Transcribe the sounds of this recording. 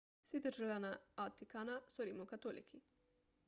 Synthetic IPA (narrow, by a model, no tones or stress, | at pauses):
sid̪əʒelanaat̪ːikanasoɾimokat̪olḭkʰi